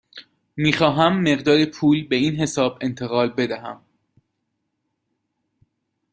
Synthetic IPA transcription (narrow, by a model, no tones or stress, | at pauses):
miːxɒːɦæmːe̞ɢd̪ɒːɾepʰuːlbe̞iːnɦe̞sɒːbe̞nt̪ʰe̞ɣɒːlbe̞d̪æɦæm